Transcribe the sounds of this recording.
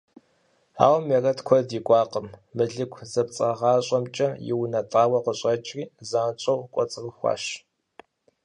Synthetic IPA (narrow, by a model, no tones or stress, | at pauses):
a̰ːwmerɐtkʷʰɔdiːkʷʼɑːqəmːɨɮɨkʷʰzɐp̚t͡sʼɐʁɑːɕʼɐmt͡ʃʼɐjɪ̰wnɐtʼaːwɐqəɕʼɐt͡ʃʼriːzat͡ʃʼɐwkʷʼɔt͡sʼrəxʷɑ̰ːʃ